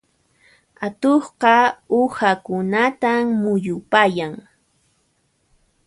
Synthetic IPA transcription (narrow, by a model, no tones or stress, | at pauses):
at̪oχqɑʊxakʊnat̪ammʊjʊpajaŋ